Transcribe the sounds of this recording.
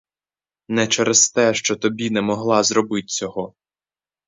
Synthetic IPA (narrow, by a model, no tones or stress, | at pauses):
nɛt͡ʃɛɾest̪ɛʃt͡ʃɔt̪ɔbʲinɛmɔɦlˠɑzɾɔbɪt̪̚ʲt͡sʲɔɦɔ